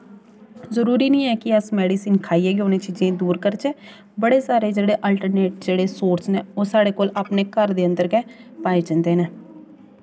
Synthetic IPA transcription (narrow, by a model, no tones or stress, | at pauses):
zəɾuːɾiːnĩːɛːkɪəsmɛːɽiːsiːnkʰaːiːɛːɡonẽːt͡ʃiːd͡ʒẽːd̪uːɾkəɾt͡ʃeː | bəɽeːsaːɾeːd͡ʒeːɽeːʔəlʈəɾneːʈ̚d͡ʒeːɽeːsoːɾsneːoːsaːɽeːkoːlaːpneːkəɾd̪eːənd̪əɾkɛːpaːeːd͡ʒənd̪eːnɛː